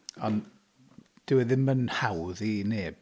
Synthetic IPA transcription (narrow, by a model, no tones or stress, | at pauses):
ɔn | d̥ɪwɛðɪmənhawðineːb̥̚